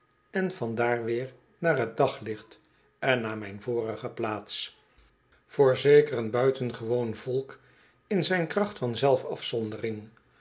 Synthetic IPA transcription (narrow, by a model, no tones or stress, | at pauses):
ɛnvɑndaːɹʋɪːɹ | naːrɦət̚dɑχlɪχt | ɛnːaːmɛjnvʊːrəχəplaːts | v̥ʊːɹzejkərənbœɥtənχəʋownv̥ɔlˠk | ɪnzɛjnkrɑχtfɑnzɛlˠfɑfsɔndərɪŋ